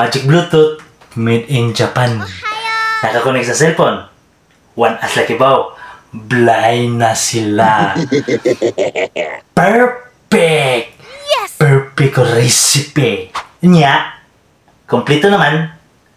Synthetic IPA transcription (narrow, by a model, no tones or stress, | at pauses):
mad͡ʒɪk̚blut̪ʊt̪̚ | mɪd̪ɪnd͡ʒapan | nakakonɛk̚sɐsɛlfon | wanʔasakɪbawblaʔajnasɪla | pɛɹ | pɛk̚pɛɹpɪkoɾɛsɪpɛɲjaʔ | kʊmplit̪onɐman